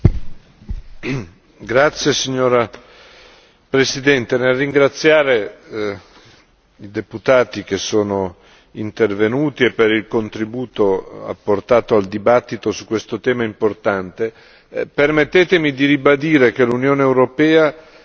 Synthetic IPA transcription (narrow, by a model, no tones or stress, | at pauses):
ɡɾat̪sːjesiɲːoːɾa | pɾesid̪ɛnt̪enerːiŋɡɾat̪sːjaːɾe | id̪eput̪aːt̪ik̟esːoːno | int̪ervenuːt̪iepːeɾilkont̪ɾibuːt̪oa̰pːort̪aːt̪oald̪ibat̪ːit̪osukːwest̪ot̪ɛːmaimport̪ant̪e | permet̪ːeːt̪emid̪iɾibad̪iːɾek̟elunjoːneːwɾopɛːa